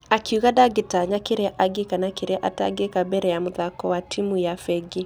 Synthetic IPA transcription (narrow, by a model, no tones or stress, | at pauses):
akuɣadaɡetaɲakeɾeaʔaɡekanakeɾeaʔata̰ɡekabɛɾɛjamoðakɔwatʰimujafɛɡe